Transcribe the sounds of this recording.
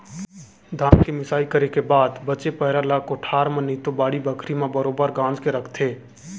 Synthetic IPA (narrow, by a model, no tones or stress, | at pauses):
d̪ʱaːnkimɪsaːikəɾekebaːd̪bət͡ʃepəɦɪɾalaːkʊʈʰaːɾmənit̪obaːɽibəkʰɾimẽbəɾoːbəɾɡãːnd͡ʒkeɾəkʰt̪ʰeː